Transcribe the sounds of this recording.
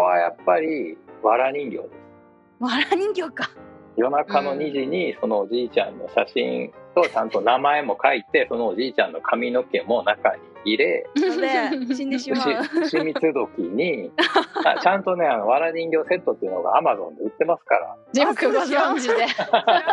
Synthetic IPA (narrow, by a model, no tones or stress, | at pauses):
βajapːaɾʲiβaɾaɲ̟ĩŋɡʲo̞̰ːd̪e̞sɨ̥ | aɾaɲĩŋɡʲokḁjo̞nakano̞ɲ̟iʑiɲ̟iso̞no̞ːd͡ʑiːt͡ɕã̰nːo̞̰ɕaɕḭ̃nt̪o̞t͡ɕãnt̪o̞namae̞mo̞kait̪e̞so̞no̞ːʑiːt͡ɕãnːo̞kʰamʲino̞ke̞mo̞naka̰ɲ̟iiɾe̞ | ɕiɕimʲit͡sɨd̪o̞kʲiɲ̟i | a̰t͡ɕãnt̪o̞ne̞ano̞βaɾaɲĩŋɡʲo̞ːse̞t̪ːo̞t̪ːeiɯ̟noɡa̰amazõ̞̰nd̪eɯ̟t̪ːe̞masɨ̥ka̰ɾa̰i | ie